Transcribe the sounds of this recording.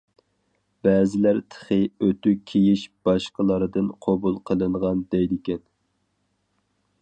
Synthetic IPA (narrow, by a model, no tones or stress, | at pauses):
bɛːzɪlæɾt̪ʰə̥χɨøt̪ykʲʰijiʃb̥ɑʃqəlˠɑɾɨd̪ɨnqʰobulˠqʰəlˠɨɴʁɑnd̪ɛjd̪ɪkʲɛn